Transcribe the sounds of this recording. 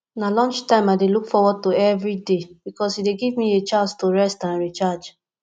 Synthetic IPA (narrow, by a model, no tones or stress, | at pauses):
nalɔ̃nt͡ʃtãɪ̃maɪdelukfɔwɔd̚toɛvɹideb̥ikɔsideɡivmiet͡ʃãnstoɹɛstãnɹit͡ʃad͡ʒ